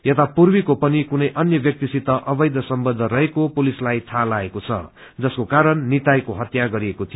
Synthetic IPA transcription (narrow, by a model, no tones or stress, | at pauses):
jʌt̪apurbikopʌnikunʌjʔʌnjʌbjʌk̚t̪isit̪ʌʔʌbʌjd̪ʱʌsʌmbʌd̪ʱːʌɾʌɦekopulislajt̪ʰalaekot͡sʰʌ̰ | d͡zʌskokaɾʌnːit̪ajkoɦʌt̪jaɡʌɾiekot̪ʰijo